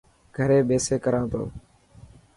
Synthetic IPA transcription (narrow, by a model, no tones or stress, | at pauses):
ɡʱəɾeːɓeːseːkəɾãːt̪o̰ː